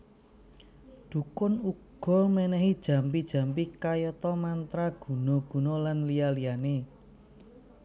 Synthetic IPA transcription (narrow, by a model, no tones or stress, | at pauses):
d̪̥ṳkʊnuɡɡ̥ɔ̤mɛnɛɦid̥ʒ̥ä̤mpid̥ʒ̥a̤mpikajɔt̪ɔmant̪ɾaɡ̥ṳnɔɡ̥ṳnɔlanlijalijane